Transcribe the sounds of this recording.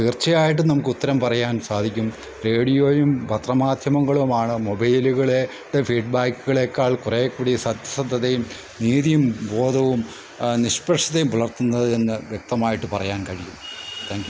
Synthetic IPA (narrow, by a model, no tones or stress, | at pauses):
t̪iːrt͡ɕɐjaːjiʈ̬ːɨnɐmukːɨut̪ːɐɾɐmpɐrɐjaːnsaːd̪ʱikʲːum | re̞ːɽijo̞ːjumbʱɐt̪rɐmaːd̪ʱjɐmɐŋːɐɭumaːɳɨmobɐjluɣɐɭe | ɽefiːɖbaːkːuɣɐɭekːaːɭkurekːuɽijsɐd̪ʱjɐsɐd̪ʱːɐt̪ːejum | niːðijumbo̞ːðɐʋum | niɕpɐʈʂʰɐt̪ːejumpɐɭɐrt̪unːɐðɨe̞nːɨʋjek̚t̪ɐmaːjiʈːɨpɐrɐjaːnkɐɻijumt̪ʰaːŋkʲju